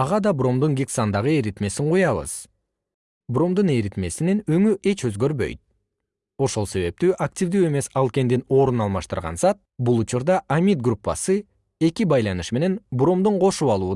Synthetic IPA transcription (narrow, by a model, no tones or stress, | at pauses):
ɑʁɑd̪ɑbro̞md̪uŋɡʲiksand̪ɑʁɯe̞ɾit̪me̞siɴqujɑβɯ̰z̥ | bro̞md̪une̞ɾit̪me̞sinenøŋyʔe̞t͡ʃø̞zɡø̞ɾβø̞̰jt̪̚ | o̞ʃo̞lˠse̞βe̞p̚t̪yːʔaktʲivd̪yːe̞me̞sɑlˠke̞nd̪ino̞ːɾunɑlˠmɑʃt̪ɯɾʁɑ̰nsɑt̪̚bulˠut͡ʃuɾd̪ɑʔamʲit̪̚ɡrupːa̰sɯ | e̞kibɑjlˠɑnɯʃme̞ne̞nbɾo̞md̪uɴqʰo̞ʃuβɑlˠuː